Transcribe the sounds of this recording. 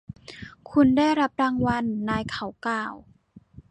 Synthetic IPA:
kʰu˧ndaː˥˩jɾa˦˥p̚ɾaː˧ŋwa˧nːaː˧jkʰa˨˩˦wklaː˨˩w

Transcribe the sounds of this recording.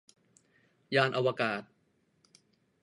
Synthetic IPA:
jaː˧nʔa˧wa˧kaː˨˩t̪̚

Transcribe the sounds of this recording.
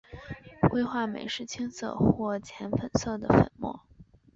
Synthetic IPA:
kwe˥ɪxwa˥˩mḛ˨˩ɪʂɻ̩˥˩t͡ɕʰi˥ŋsɤ̰˥˧xwɔ˥˩t͡ɕʰjɛ˧˥nfə˨˩nsɤ˥˩d̪ə˩fə̰˨˩nmwɔ̰˥˩

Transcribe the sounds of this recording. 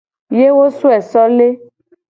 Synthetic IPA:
je˦wo˦su˦ɛ˨sɔ˦le˦

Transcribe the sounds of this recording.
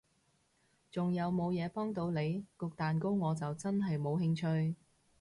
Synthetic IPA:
t͡sʊ˨ŋjɐ˨˧wmo˨˧wjɛː˨˧pɔː˥ŋt̪o˨˧wle˨˧jkʊ˧k̚t̪aː˨nko˥wŋɔː˨˧t͡sɐ˨wt͡sɐ˥nɦɐ˨jmo˨˧wɦɪ˧ŋt͡ʃʰɵ˧ɥ

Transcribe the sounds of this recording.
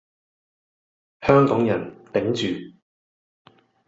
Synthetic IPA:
hœː˥ŋkɔː˨˥ŋjɐ˨˩nt̪e˨˥ŋt͡ʃyː˨

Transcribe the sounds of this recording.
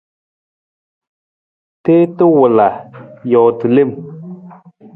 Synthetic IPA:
te˦tɨ˦wʊ˨la˨jɔ˨tɨ˨le˦˨m

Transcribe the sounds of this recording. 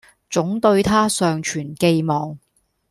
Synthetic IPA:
t͡sʊ˨˥ŋt̪ɵ˧ɥt̪ʰaː˥sœː˨ŋt͡ʃʰyː˨˩nke˧jmɔː˨ŋ

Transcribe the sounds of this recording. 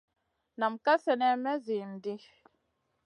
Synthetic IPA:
na˨m̩˨ka˦sɛ˦nɛ˦mɛ˦zi˨n̩˨di˦

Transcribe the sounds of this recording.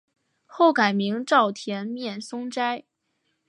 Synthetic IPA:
xo˥˩ʊka˨˩ɪmi˧˥ŋʈ͡ʂɑ˥˩ʊt̪ʰjɛ˧˥nmjɛ˥˩nsʊ˥ŋʈ͡ʂa˥ɪ

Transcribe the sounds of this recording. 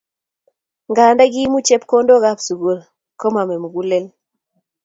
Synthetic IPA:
ŋɡa˨nda˦ɡi˦mu˦t͡ʃe˦pko˦ndo˦ɣa˦psu˨ɡo˨ɾ | ko˦ma˨me˨mu˨ɡu˦le˦l

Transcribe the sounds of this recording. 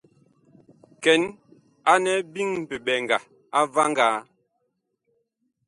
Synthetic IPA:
kɛ˨˦n | a˦nɛ˨˦bi˦ŋm̩˨pe˨ɓɛ˨ŋɡa˨ | a˦va˦ŋɡa˨˦

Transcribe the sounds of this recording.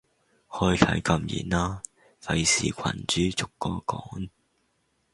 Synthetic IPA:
hɵ˧jkʰɐ˨˥jkɐ˧mjḭː˨˩naː˧ | fɐ˨˧jsiː˨kʷʰɐ̰˨˩nt͡ʃyː˨˥t͡sʊ˨kːɔː˧kɔː˨˥ŋ

